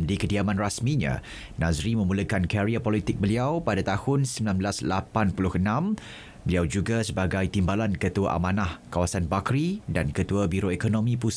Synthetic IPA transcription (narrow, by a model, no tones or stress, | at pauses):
dikədiamãnrasmĩɲã̰ | nãzɾimə̃muləkankaɾiapɔlit̪ɪk̚bəliawpadat̪ahʊnsəmbilãnblaslapanpulʊhənãm | bəliawd͡ʒuɡasəbaɡajt̪imbalankət̪ua̰ʔa̰mãnahkawasanbakɾidankət̪uabiɾoekonõmĩpus